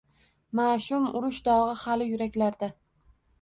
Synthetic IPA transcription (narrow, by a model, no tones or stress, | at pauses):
maʃʊmʊɾʊʃd̪ɒʁɨhalɪjʊɾakʲlaɾd̪a